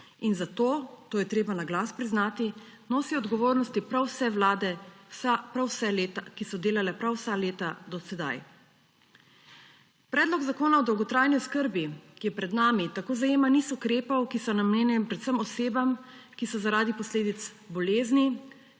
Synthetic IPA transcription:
inzat̪oːt̪oːjɛt̪ɾeːbanaɡlaspɾiznaːt̪i | noːsiɔd̪ɡɔʋoːɾnɔst̪ipɾawsɛʋlaːd̪ɛsapɾawsɛleːt̪akisɔd̪eːlalɛpɾawsaleːt̪ad̪ɔsɛd̪a̰j | pɾɛːd̪lɔɡzakoːnaɔd̪ɔwɡɔt̪ɾajniɔskəɾbikijɛpɾɛd̪naːmit̪akoːzajeːmanisɔkɾeːpawkisɔnamnɛːnjɛmpɾɛt̪səmɔseːbamkisɔzaɾaːd̪ipɔsleːd̪it̪s | bɔleːzni

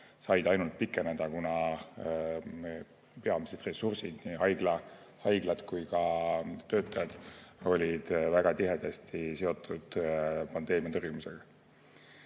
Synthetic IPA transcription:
sɑjd̪ɑjnult̪̚pikːˑened̪̥ɑkunɑ | pe̞ɑmised̪re̞sursid̪̥niɦɑjɡ̥lɑ | hɑjɡ̥lɑd̪̥kujkɑt̪ø̞ːt̪ːˑɑjɑd̪̥o̞lʲid̪̥væɡ̥ɑt̪iɦed̪̥est̪ise̞o̞t̪ːˑud̪̥pɑnd̪e̞ːmiɑt̪orjumuseɡ̥ɑ

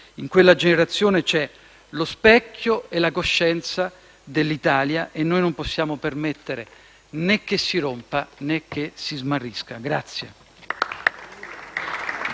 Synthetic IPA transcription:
iŋkwelːad͡ʒeneɾat̪sːjoːnet͡ʃɛ | lospɛkʰːjoelakoʃːɛnt̪sa | d̪elːit̪aːljaʔenːoːjnomposːjaːmopermet̪ːeɾe | nekːesːiɾompanekːesizmarːiskaɡɾat̪sːje

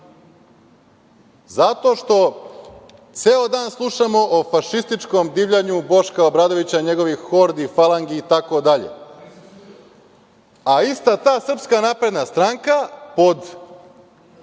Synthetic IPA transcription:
zat̪o̞ːʃt̪o̞ | t̪seːod̪aːnslˠuʃamo̞ʔofaʃist̪it͡ʃkomd̪iːʋʎaɲubo̞ʃkaobɾaːd̪o̞ʋit͡ɕaɲe̞ɡo̞ʋixoɾd̪ifalˠaŋɡiːt̪ako̞d̪aʎḛ | aist̪at̪aːsr̩pskanaːpɾe̞d̪nast̪ɾaŋkapo̞d̪

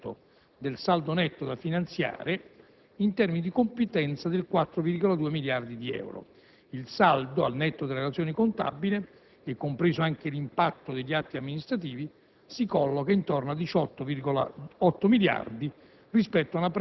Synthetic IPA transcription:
o̰ | d̪elsald̪onɛt̪ːod̪afinant̪sja̰ːɾe | int̪ɛrminid̪ikompet̪ɛnt̪sad̪elkwat̪ːɾovirɡolad̪uːemiljard̪id̪iɛ̰wɾo̰ | ilsald̪oa̰lnɛt̪ːod̪eleɾelat̪sjoːnikont̪a̰bːile | ɛkːompɾeːzoaŋk̟elimpat̪ːod̪eʎːiat̪ːiamːinist̪ɾat̪iːvi | sikɔlːokaint̪ornoad̪it͡ʃɔt̪ːoviɡola̰ɔt̪ːomilja̰rd̪i | rispɛt̪ːoaunap

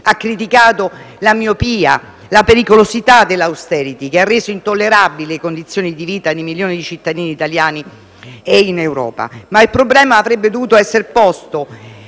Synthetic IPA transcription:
akːɾit̪̬ikaːt̪o | lamjopiːa | lapeɾikolozit̪ad̪elːawst̪ɛːɾit̪ikearːeːzoint̪olːeɾabilekond̪it̪sːjoːnid̪iviːt̪ad̪imiljoːnid̪it͡ʃit̪ːad̪iːniːt̪aljaːni | einewɾɔ̰ːpa̰mailpɾoblɛːmaːvɾebːed̪ovuːt̪oɛsːerpɔst̪o

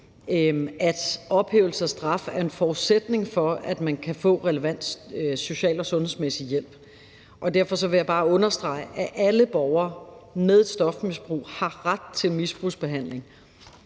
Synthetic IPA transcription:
æd̥ɒ̽b̥he̝ːʊl̩səsd̥ʁɑ̈fæɐe̝nfɒ̥ːsed̥ne̝ŋfɒ̽æd̥mænkʰæfɔ̰̽ːʁɛləʋæn̰d̥so̝ɕɛ̰ːlɒ̽sɔ̽nhe̝smesijel̰b̥ | ʔɒ̽d̥æɐ̰fɒ̽sɒ̽ʋe̝jɑ̈b̥ɑ̈ːɔ̽nɐsd̥ʁɑ̈ɪ̰ʔæʔæləb̥ɒʊɐːmeðˠed̥sd̥ɒ̽fmisb̥ʁṵːhɑ̈ʁad̥̚t͡sʰe̝lmisb̥ʁuːsb̥e̝ɦæn̰le̝ŋ

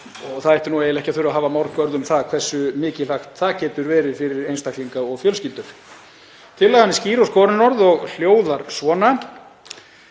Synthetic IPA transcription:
ɔɣθaðɛht̪ɪnuejɪlɛhcɪaθʏɾʏaɦaːvamawɾkvœɾðʏmθaðkʰv̥ɛsːʏmɪːcɪlaxt̪θaðcɛːt̪ʏɾvɛːɾɪfɪɾɪɾejnst̪ak̪liŋkaɔɣfjœlscɪlt̪ʏɾ̥ | t̪ʰɪlːɛɣanɪsciːɾoskɔːɾɪnɔɾðɔɣl̥joːwðaɾsvɔːna

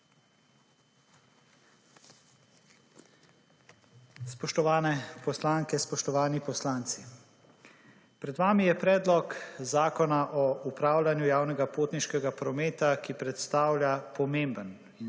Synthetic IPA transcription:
spɔʃt̪ɔʋaːnɛpɔslaːŋkɛspɔʃt̪ɔʋaːnipɔslaːnt̪si | pɾɛd̪ʋaːmijɛpɾɛːd̪lɔkzaːkɔnaʔɔupɾaːwlʲanjujaːwnɛɡapoːt̪niʃkɛɡapɾɔmeːt̪akipɾɛt̪st̪aːwljapɔmembən | i

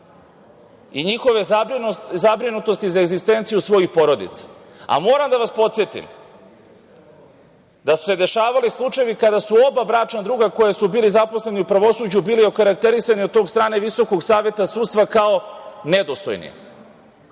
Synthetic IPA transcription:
iɲixo̞ʋe̞ | zabɾinut̪o̞st̪izaeɡzist̪e̞nt̪sijusʋo̞jixpo̞ɾo̞d̪ḭt̪sḁ | a̰mo̞ːɾamd̪aʋaspo̞t̪sjet̪ḭm | d̪asu̥se̞d̪e̞ʃaːʋalislˠut͡ʃajeʋikad̪asuo̞babɾaːt͡ʃnad̪ɾuːɡako̞jesubiːlizapo̞sle̞niupɾaʋo̞suːd͡ʑubiːliokaɾak̚t̪e̞ɾisaniod̪̚t̪o̞ːɡst̪ɾaːne̞ʋiso̞koɡsaːʋje̞t̪asuːt̪st̪ʋakao̞ned̪ost̪o̰jnḭjḛ

